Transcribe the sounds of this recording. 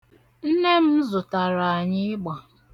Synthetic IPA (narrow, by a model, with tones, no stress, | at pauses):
n̩˦ne˦m̩˦zʊ˨ta˨ɾa˨ɲɪ˦ɡ͡bɔ˨